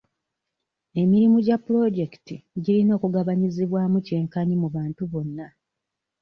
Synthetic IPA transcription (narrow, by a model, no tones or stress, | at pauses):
e̞miɾimuɟapːuɾo̞ɟe̞ki̥tiɟiɾino̞ːkuɡaβaɲiziβwaːmuce̞ːŋkaɲimuβaːntuβo̞nːa